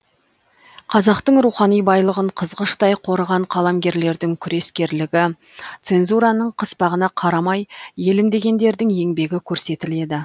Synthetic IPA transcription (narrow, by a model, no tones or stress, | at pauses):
qʰɑzɑqt̪əɴɾuχɑnijbɑjlˠəʁəɴqʰəzʁəʃt̪ɑjqʰo̞ɾəʁɑɴqʰɑlˠɑmɡʲe̞ɾle̞ɾd̪ɪŋkʲʰʏɾe̞skʲe̞ɾlɪɡʲɪ | t̪se̞nzuɾɑnəɴqʰəspɑʁənɑqʰɑɾɑmɑjje̞lɪmd̪e̞ɡʲe̞nd̪e̞ɾd̪ɪŋe̞ŋbe̞ɡʲɪkʲʰɵɾse̞t̪ɪle̞d̪ɪ